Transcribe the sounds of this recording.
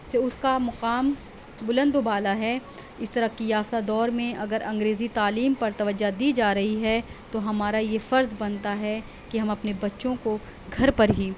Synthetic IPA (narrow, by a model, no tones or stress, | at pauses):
seʊskamʊqaːm | bʊlə̃nd̪ʊbaːlaɦɛ | ɪst̪ɐɾəkijaːft̪ad̪ɔːɾmẽʔɐɡəɾʔɐ̃ŋɡɾeːzit̪aːliːmpɐɾt̪ɐʋəd͡ʒad̪iːd͡ʒaːɾɐɦiɦɛt̪oɦɐmaːɾajefɐɾzbɐnt̪aɦɛ | kiɦɐmɐpnebɐtːʃõko | ɡʱɐɾpɐɾɦiː